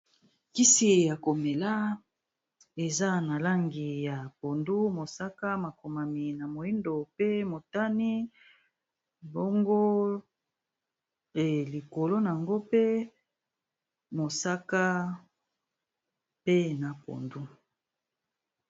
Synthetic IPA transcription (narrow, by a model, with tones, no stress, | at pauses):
ki˦si˨ja˨ko˨me˨la˦ | e˨za˦na˨la˦ŋɡi˨ja˨po˨ndu˦mo˨sa˦ka˦ma˨ko˨ma˨mi˨na˨mo˨i˦ndo˨pe˦mo˨ta˦ni˦ | bo˦ŋɡo˦ | e˨li˨ko˨lo˦na˨a˨ŋɡo˦pe˦ | mo˨sa˦ka˦ | pe˦na˨po̰˨ndu˦